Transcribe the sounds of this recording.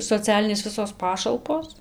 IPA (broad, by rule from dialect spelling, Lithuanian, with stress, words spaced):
soːˈt͡sʲæːlʲɪnʲeːs ˈʋʲɪsoːs ˈpɑːʃɐlˠpoːs